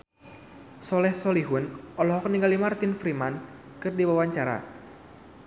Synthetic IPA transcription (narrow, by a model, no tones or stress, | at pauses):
sɔlɛhsɔliɦʊnɔlɔɦɔkəniŋɡalimart̪ɪnfɾiman | kɨrdiwawaɲt͡ʃaɾa̰